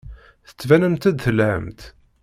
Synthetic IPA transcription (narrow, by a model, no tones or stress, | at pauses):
θə̥t͡sːvænəmt̪æd̪θəlʕə̰mt̪